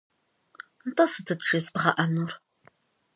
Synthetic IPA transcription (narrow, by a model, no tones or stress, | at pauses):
ntʰʼɐsɨtʰɨtʂispʁɐ̰ʔɐnur